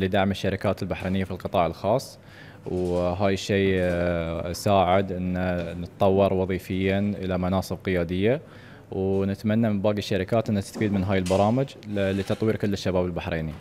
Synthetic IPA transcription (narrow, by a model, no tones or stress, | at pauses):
lid̪aʕmɪʃːaɾɪkaːt̪ɪlbaħɾeːnɪjːafilqɨt̪ˤɑːʕɪlxɑːsˤː | wɦaːjʃːeː | saːʕɪd̪ʔɪnːanɪt̪t̪ˤːɑwːɑɾˤwɑðˤiːfɪjːaʔɪlamanɑːsˤɨb̚qɪjaːd̪ɪjːa | wnɪt̪manːamɪnbaːɡɪʃːaɾɪkaːt̪ʔɪnːat̪ɪ̥st̪afiːd̪mɪnɦaːjɪlbɑɾˤɑːmɪd͡ʒlit̪ɑt̪ˤwiːɾkʊlːɪʃːabaːbɪlbaħɾʔeːni